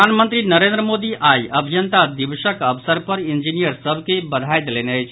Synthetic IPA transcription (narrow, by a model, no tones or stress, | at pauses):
anmənt̪ɾinəɾẽnd̪ɾəmod̪iʔʔajəbʱijənt̪ad̪iʋʃəkəʋsəɾpəɾind͡ʒinijəɾsəbʱkebəd̪ʱajd̪eleneət͡ʃʰ